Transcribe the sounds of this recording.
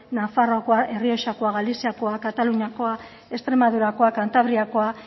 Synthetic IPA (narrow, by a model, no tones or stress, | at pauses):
nafarokoaʔe̞rio̞ʃako̞aɣalisiako̞akat̪aluɲako̞a | e̞st̪ɾe̞maðuɾako̞akant̪aβɾiako̞a